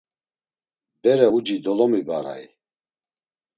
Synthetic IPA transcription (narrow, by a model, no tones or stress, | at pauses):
bɛɾɛud͡ʒid̪ɔlɔmibaɾa̰i